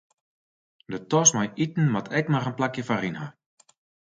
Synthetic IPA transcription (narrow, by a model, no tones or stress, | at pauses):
dətɔsmajitn̩matʰɛkmarənplakjəfarinha